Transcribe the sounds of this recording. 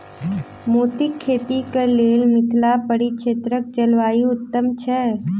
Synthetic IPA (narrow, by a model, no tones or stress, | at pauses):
moːt̪ɪkʰːeːt̪ikəleːlmɪt̪ʰlapəɽiʃʰeːt̪ɾək̚t͡ʃɐlʋaːiʊt̪ːəmt͡ʃʰɛː